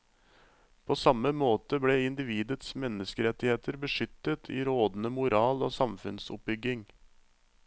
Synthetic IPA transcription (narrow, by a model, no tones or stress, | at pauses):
pʰoːsɑməmoːt̪əbɽeːɪnd̪ɪʋiːd̪ət̪smɛnːəskəɾɛt̪ːɪheːt̪ʰəɾbəʂʏt̪ːət̪ʰḭːɾoːd̪nəmʊɾɑːlo̰ːsɑmfʉnsʊp̚bʏɡɪŋ